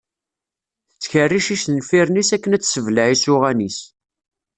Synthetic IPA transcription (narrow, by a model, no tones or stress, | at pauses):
θət͡sːçərːiʃiʃlfiɾnisækːənæt͡sːsəvləʕisʊʁænis